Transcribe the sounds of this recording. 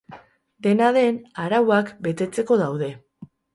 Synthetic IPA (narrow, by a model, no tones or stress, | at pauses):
d̪e̞naðe̞naɾawakbe̞t̪e̞t͡se̞ko̞ð̞awðe̞